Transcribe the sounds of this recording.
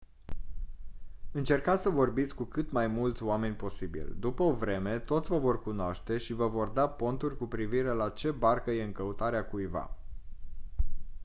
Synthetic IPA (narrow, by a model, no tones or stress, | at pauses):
ɨnt͡ʃe̞rkat̪ʲsəvo̞rbit̪sʲkukɨt̪majmult̪sʲʊame̞nʲpo̞sibḭld̪upəovɾe̞me̞t̪o̞t̪sʲvəvo̞rkunoaʃt̪e̞ʃivəvo̞rd̪apo̞nt̪urʲkupɾiviɾe̞lat͡ʃe̞barkəje̞ɨŋkəut̪aɾeakujva̰